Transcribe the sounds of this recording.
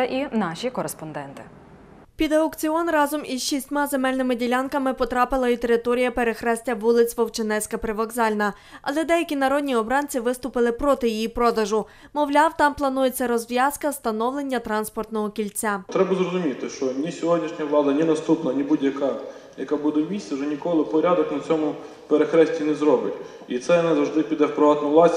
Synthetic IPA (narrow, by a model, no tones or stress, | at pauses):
ʔinɑʃʲikɔɾespɔnd̪ɛnt̪ɪ̥ | pʲid̪ɐokt͡sʲiɔnrɑzɔmizʃisʲtʲmɑzemɛlʲnɪmɪdʲilʲɑnkɐmɪpɔt̪ɾɑpɪlˠɐit̪e̞ɾɪt̪ɔɾʲijɐpeɾexɾɛsʲtʲɐʋulˠɪt͡sʲʋɔwt͡ʃenɛsʲkɐpɾɪʋɔɡzɑlʲnɐ | ɐlˠɛd̪ɛjɐkʲinɐɾɔd̪ʲnʲiɔbɾɑnʲt͡sʲiʋɪst̪ʊpɪlˠɪpɾɔt̪ɪjijipɾɔd̪ɐʒʊ | mɔʋlʲɑwt̪ɑmplˠɐnuje̞t͡sʲːɐɾɔzʋʲjɑskɐst̪ɐnɔwlˠe̞nʲːɐt̪ɾɑnspɔrt̪nɔɦɔkʲilʲt͡sʲat̪ɾɛbɐzrɔzʊmʲit̪ɪʃt͡ʃɔnʲisʲɔɦɔdʲnʲiʃnʲɐʋlˠɑd̪ɐnʲinɐst̪upnɐnʲibudʲjɐkɑjɐkabud̪ɛwmʲisʲt̪ʲt͡sʲɛʒɛnʲikɔlˠɪpɔɾʲad̪ɔknɐt͡sʲɔmʊ | peɾexɾɛsʲtʲinɛzɾɔbɪtʲ | it̪sɛjɔnɛzɐwʐʒd̪ɪpʲid̪ɛwpɾɪʋɑt̪nʊʋlˠɑsʲ